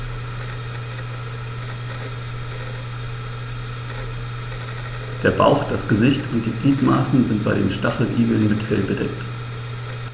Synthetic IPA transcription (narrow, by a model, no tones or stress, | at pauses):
d̥eːɐba̰ʊxd̥asɡ̥əzɪçtʰʊnt̚d̥iːbliːtmaːsn̩zɪnt̚b̥aɪɾḛːmʃtaχl̩ʔiːɡl̩nmɪtfɛlbədɛ̰kt